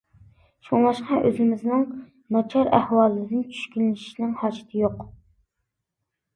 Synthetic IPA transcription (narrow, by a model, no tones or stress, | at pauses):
ʃʰoŋlˠɑʃqɑʔøzɪmɪznɨŋ | mɛt͡ʃʰɑɾæhwɑlˠːɨd̪ɨnt͡ʃʰy̥ʃkʲylːɪʃi̥ʃnɪŋhɑːd͡ʒɪ̥t̪ʰɪjoq